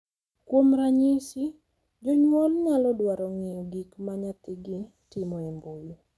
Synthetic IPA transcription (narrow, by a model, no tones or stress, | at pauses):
kwomɾaɲɪsi | d͡ʒoɲwɔlɲalɔdwaɾɔŋiɡikmaɲat̪ɪɡɪ | tɪmɔemboju